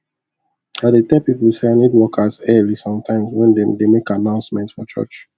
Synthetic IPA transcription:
adetɛpipulseanidwɔkʰazɛlisɔ̃mtʰãɪ̃mswɛ̃ndedemekanãʊ̃nsmɛ̃ntsfɔt͡ʃɔ̰t͡ʃ

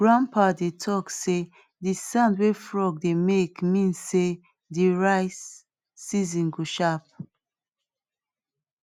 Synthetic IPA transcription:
ɡɹãnpʰadetʰɔkse | disãndwefɹɔɡ̚demekmĩnsːe | deɹaɪsː | izĩnɡoʃap̚

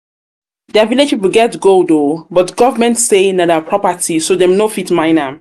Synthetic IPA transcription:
dɛviled͡ʒpipul̩ɡɛtɡodobɔtɡɔvəmɛ̃ntsenadɛpʰɹɔpətʰisodɛmnofitmãɪna

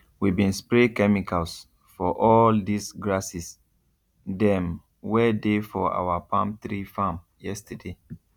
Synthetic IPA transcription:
wibĩnspɹekɛmikʰals | fɔʔɔldisɡɹasis | dɛ̃m | wɛdefɔa̰wapãmtɹifãm | jɛstəde

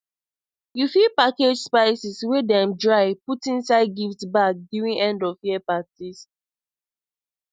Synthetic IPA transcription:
jufipaked͡ʒspaɪsiswedɛ̃mdɹaɪputĩnsaɪd̚ɡiftbak̚djuɹĩnʔɛ̃ndɔvjiɛpatis

